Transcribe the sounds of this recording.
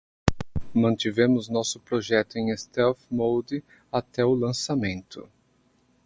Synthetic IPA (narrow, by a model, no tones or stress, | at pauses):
mɐ̃nt̪ivẽmʊznɔsʊpɾoʒɛt̪ʊẽj̃est̪ɛfmowd̪ɪ | at̪ɛʊlɐ̃samẽnt̪ʊ̰